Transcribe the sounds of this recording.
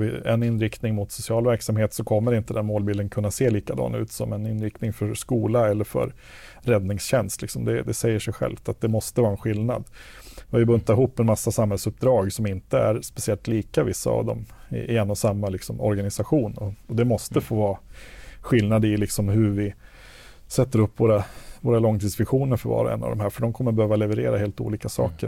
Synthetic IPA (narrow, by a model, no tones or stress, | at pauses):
vɪ̰ɛ̰nɪnːɾɪkt̪nɪŋmʊt̪sʊsɪɑːlvæɾksamheːt̪sɔkʰɔmːəɾɪnt̪əd̪ɛnmoːlbiːld̪ənkʰɵnːaseːliːkad̪ɑ̰ːnaʉ̟ːt̪sɔ̰mɛnɪnɾɪk̚t̪nɪŋfœɾʂkuːlaɛlːəɾfœ̰ɾ | ɾɛd̪nɪŋsɕɛnst̪lɪksɔmd̪ɛd̪ɛsɛjːəʂɛjɧɛ̰lft̪at̪̚d̪ɛmɔst̪əvɑːɾɛnɧɪlna̰d̪ɔvɪbɵnt̪aɾɪɦuːpːɛnmasːasamhɛlsɵp̚d̪ɾɑːɡsɔmɪnt̪əæ̰ɾspɛsɪɛlt̪liːkavɪsːa̰a̰vd̪ɔ̰mɪ̰ʔɪɛnːɔsamːalɪksɔmɔ̰ɾɡanɪsaɧuːnɔɔd̪ɛmɔst̪əfoːvɑː | ɧɪlnad̪ɪlɪksɔmɦɵɾvɪ | sɛt̪ːəɾɵpːvoːɾavoːɾalɔŋːt̪ʰiːd̪svɪɧuːnəɾfœɾvɑ̰ːɾa̰ɛ̰nːa̰vd̪ɔmɦæːɾfœɖɔmkʰɔmːəɾbɛhøːvalɛvəɾeːɾaɦeːlt̪ṵːliːkasɑ̰ːkəɾ